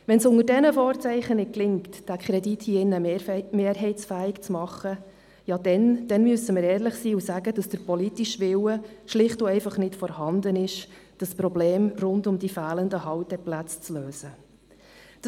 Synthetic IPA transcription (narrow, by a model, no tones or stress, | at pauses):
ʋɛnsʊŋəɾdɛnəfɔːɾt͡sɛɪχənɪt̚klɪŋtd̥ækʰχɾɛdithiːɪnːəmeːɾɦɛɪt͡sfæːɪkt͡smɑχːə | jɑd̥ɛnd̥ɛnmyəsəməɾɛːɾləχsiːusæɡəd̥ɑsd̥əɾpɔlitiʃʋɪwəʃlɪχtuɛɪfɑχnɪtfɔɾhɑnd̪ənɪʃd̥ɑspɾɔbleːmrʊndʊmdifæːləndəhɑwtɛplæt͡st͡sløːsə | d̥